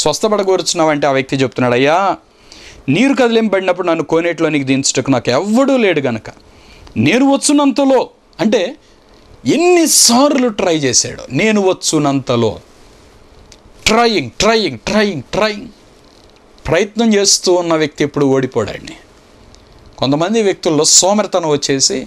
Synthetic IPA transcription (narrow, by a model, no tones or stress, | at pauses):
sʋɐst̪ʰɐbɐɽɐɡoːɾut͡ʃunːaːʋɐɳʈeaːʋjɐk̚t̪it͡ʃebut̪unːaːɽɐjːaː | niːɾukɐd̪ɐleːmbɐɽinɐpːuɽunɐnːukoːneʈloːniːkid̪iːnt͡ʃʈɐkːunaːkɛʋːɐɽuːle̞ːɽuɡɐnɐkɐ̥ | ne̞ːnuʋɐt͡ʃːunːɐnt̪ɐlo̞ː | ɐɳʈe̞ː | enːisaːɾluʈɾɐjt͡ʃeːsa̰ːɽṵne̞ːnuʋɐt͡ʃːunːɐnt̪ɐlo̞̰ː | ʈɾɐjiŋɡʈɾɐjiŋɡʈɾɐjiŋɡʈɾɐjiŋɡ | pɾɐjɐt̪nɐmt͡ʃe̞ːst̪uːnːɐʋjɐk̚t̪iepːuɽuoːɽipɔːɽa̰ːnːi | kont̪ɐmɐnd̪iʋjɐk̚t̪ulːo̞ːsoːmɐɾɐt̪ɐnɐʋɐt͡ʃːe̞ːsi